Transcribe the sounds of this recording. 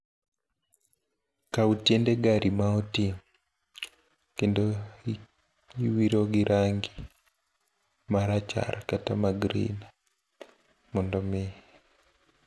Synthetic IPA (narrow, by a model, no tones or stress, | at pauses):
kautjendeɡaɾimaɔtim | kendo | iwiɾoɡiɾʔaŋɡi | maɾat͡ʃa̰rkatamaɡɾḭna | mɔndɔmi